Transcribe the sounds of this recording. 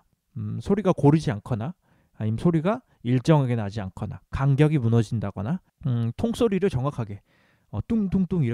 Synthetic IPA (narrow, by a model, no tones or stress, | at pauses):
sʰoɾiɡakoɾid͡ʑiankʰʌnaː | ɲimsʰoɾiɡa | iɭt͡ɕ͈ʌŋeɡe̞nad͡ʑiankʰʌna̰kaŋɡjʌɡimunʌd͡ʑindaɡʌna | tʰoŋs͈oɾiɾɯɭt͡ɕʌŋwakʰaɡe̞ | ʌt͈uŋduŋt͈uŋiɾ